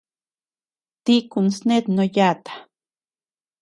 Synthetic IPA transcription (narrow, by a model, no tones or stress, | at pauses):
t̪ikunsnet̪nojat̪ḁ